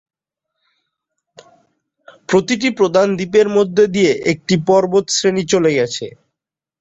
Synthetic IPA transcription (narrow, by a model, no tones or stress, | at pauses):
pɾot̪iʈ̬ipɾod̪ʱand̪ipeɾmod̪ʱːed̪ijeʔek̚ʈipɔɾbot̪sɾenit͡ɕoleɡɛt͡ɕʰḛ